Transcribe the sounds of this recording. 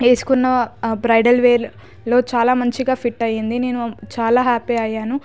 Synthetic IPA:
eːsu̥kunːɐbɾɐjɖɐlʋeːɾ | lo̞ːt͡ʃaːlaːmɐɲt͡ʃiɡaːpʰiʈːɐjːind̪ine̞ːnut͡ʃaːlaːɦaːpiɐjːaːnu

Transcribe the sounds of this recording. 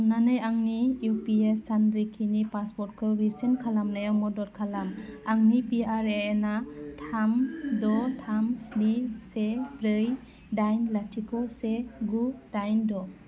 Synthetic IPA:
nanajaŋnijupiesandɾikʰinipaspɔɾt̚kʰɯɾisenkʰalamnajawmɔdɔɾkʰalamaŋnipiaɾeːnatʰamdɔtʰamsnisebɾɯj | dajnlatʰikʰɔseɡudajndɔ

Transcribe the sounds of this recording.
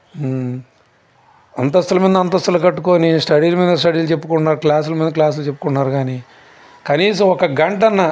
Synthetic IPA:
ɐnt̪ɐst̪ːɐlɐmiːd̪ɐnt̪ɐst̪ɐlɐkɐʈːukoːnisʈɐɽiːlɐmiːd̪ɐsʈɐɽiːlut͡ʃepːukuɳːaːɾuklaːs̬ulɐmiːnd̪ɐklaːsulut͡ʃe̞pːu̥kuɳːaːɾuɡaːni | kɐniːsɐ̃mɔkɐɡɐɳʈɐnːɐ

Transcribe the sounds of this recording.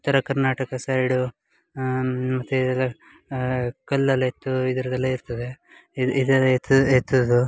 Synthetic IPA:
t̪ːɐɾɐkɐɾnaːʈɐkɐsajɽu | mɐt̪ːuid̪ɐlːɐ | kɐlːɐlɐet̪ːuid̪ɐɾɐd̪ɐlːɐiɾt̪ɐd̪e̞ | id̪ɐt̪ːet̪ːud̪u

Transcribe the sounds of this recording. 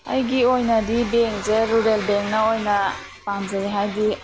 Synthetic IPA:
a̰jɡiojnadibeŋzeɾuɾelbeŋnaojna | paŋzaɾiɦajdi

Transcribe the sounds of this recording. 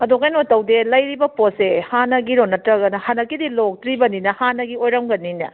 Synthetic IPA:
ɐdokajnotɐwdelɐjɾibɐposehanɐɡiɾonɐtɾɐɡɐnɐhanɐkːidilok̚tɾibɐninɐhanɐɡiojɾɐmɡɐnːinɐ̰

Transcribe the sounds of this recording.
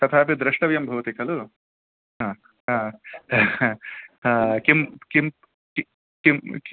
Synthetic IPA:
t̪ɐt̪ʰaːp̬ɐd̪ɾɪʂʈɐʋjɐmbʱɐʋt̪ikʰɐlu | ɦãː | ɦãː | akimkim | k | kim

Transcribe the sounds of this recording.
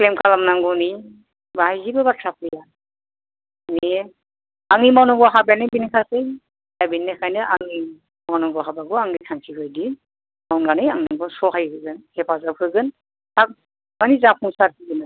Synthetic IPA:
klemkʰalamnaŋɡɔni | bahajzibabatʰɾap̚ʰija | ni | aŋimawnɔɡɔɦabanɯbinikʰasɯj | abinːɛkʰajnɯʔaŋi | mawnɔɡɔɦabaɡɔaŋikʰaŋkʰihɯjdi | mawnɡanɯjaŋnaŋɡɔsɔɦajhɯɡɯnhɛpʰazab̚kɯɡɯn | tʰak̚ | manizapʰuŋsaɾkʰɯɡɯnɯ

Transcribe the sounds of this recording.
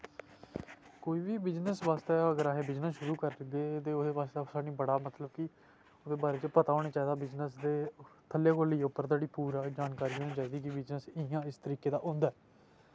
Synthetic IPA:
koːiːbiːbɪznəsʋaːst̪eːəɡəɾaːɦeːbɪd͡ʒnəʃʊɾuːkəɾd̪eːt̪eːod̪eːbaːsd̪aːsaːnĩːbəɽaːmət̪ləbkɪ | od̪eːbaːɾeːt͡ʃəpət̪aːɦoːɽ̃aːt͡ʃaːiːd̪aːbɪznəsd̪eːt̪ʰəleːkoliːopːəɾt̪aːɽiːpuːɾaːd͡ʒaːnkaːɾiːɦoːnĩːt͡ʃaːiːd̪iːkɪbɪd͡ʒnəsɪjãːɪst̪əɾiːkeːd̪aːʔõːnd̪aː

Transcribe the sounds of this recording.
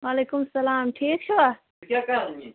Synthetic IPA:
ʋaːleːkʊmsɐlaːmʈʰiːk̚t͡ʃʰoʋa | kʲaːka

